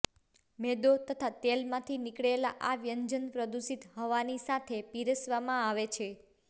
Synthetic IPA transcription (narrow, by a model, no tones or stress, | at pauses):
mɛd̪ot̪ət̪ʰat̪elmãt̪ʰinikɭelaʔaʋjəɲd͡ʒənpɾəd̪usit̪ɦɔʋanisat̪ʰepiɾəsʋamãaʋet͡ʃʰe